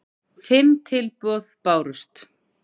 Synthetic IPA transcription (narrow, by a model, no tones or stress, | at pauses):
fɪmt̪ʰɪlpɔːðpaːwɾʏst̪